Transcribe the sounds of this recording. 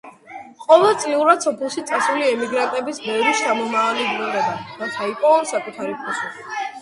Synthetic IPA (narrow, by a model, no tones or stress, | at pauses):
qʼɔvɛlt̪sʼliuɾad̪̥sɔpʰɛlˠʃit̪sʼasuliɛmiɡɾant̪ʼɛbisbɛvɾist͡ʃʰamɔmaːlidɾɔɾɛbaɾat̪ʰaipʼɔːsakʼut̪ʰaɾipʰɔsui